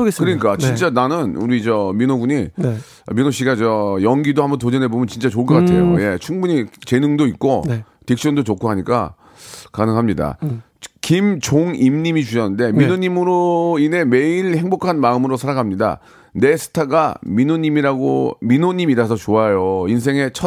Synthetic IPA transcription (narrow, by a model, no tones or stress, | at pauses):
kɯɾʌɲik͈at͡ɕint͡ɕ͈ananɯnuɾid͡ʑʌminoɡuɲi | ʌminoɕ͈ʰiɡad͡ʑʌjʌŋɡidohambʌnt̬od͡ʑʌnɦebomjʌnt͡ɕint͡ɕ͈at͡ɕoɭk͈ʌkaɭɲtʰejoje̞t͡ɕʰuŋbuɲit͡ɕe̞nɯŋdoit̚k͈one | tik̚ɕ͈ʌndot͡ɕokʰoɦaɲik͈a̰ | kanɯŋɦamɲida̰ | kimt͡ɕoŋimɲimit͡ɕuɕʌnɯnde̞minoɲimɯɾoine̞me̞iɭhe̞ŋbokʰanmaɯmɯɾosʰaɾaɡamɲida̰ | nesʰɯ̥tʰaɡaminoɲimiɾaɡominoɲimiɾasʰʌt͡ɕoajoins̬ʰe̞ŋe̞t͡ɕʰʌ